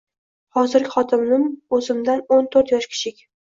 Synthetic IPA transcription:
hɒzɪɾɡʲɪχɒt̪ʰɪmnɪmɵzɪmd̪anont̪ʰoɾt̪jɒʃkʲʰɪ̥ʃʰɪkʲ

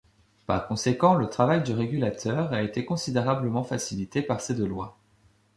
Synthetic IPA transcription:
pa̰ʁkɔ̃sekɑ̃lət̪χavajd̪yʁeɡʲylat̪ʰœʁaet̪ekɔ̃sid̪eʁabləmɑ̃fasilit̪epaʁsed̪əlwa̰

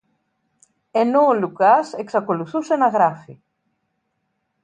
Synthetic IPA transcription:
e̞noːlukɐse̞ksɐko̞luθuse̞nɐɣɾɐfḭ

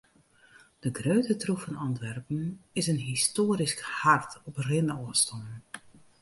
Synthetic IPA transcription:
d̥əɡrøːtətrufɔnɑntʋɛrpən̩ɪsənɦistoːəɾiskhartɔprɪnəɔəstɔ

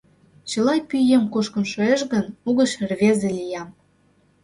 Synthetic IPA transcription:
t͡ɕə̆lɑjpyjemkoʃkə̆nʃoeʃɣənuɣəʃrβezelʲijɑm

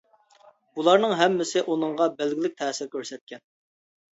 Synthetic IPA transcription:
b̥ulˠɑɾnɨŋɦɛmːɪsɪʔunɨŋʁɑbælɡʲɪlɪk̚ʲt̪ʰɛːsɪɾkʲʰøɾsɛt̪̚kʲʰɛn

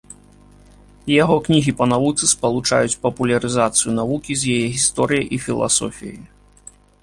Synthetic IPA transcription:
jaɣɔknʲiɣʲipɐnavut̪sɨspɐlˠut͡ʂajut͡sʲpɐpulʲɐɾɨzat̪sɨjun̪avukʲizʲjajɛɣʲist̪ɔɾɨjɐjʔifʲilˠa̰sɔ̰fʲijɐ̰j

